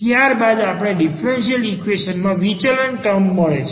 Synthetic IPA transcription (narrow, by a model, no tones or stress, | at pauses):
t̪jaɾbad̪apɽ̃eɖifɾenʃiəlikʋeʃənmãʋit͡ʃaɾəɳʈəmːəɭet͡ʃʰ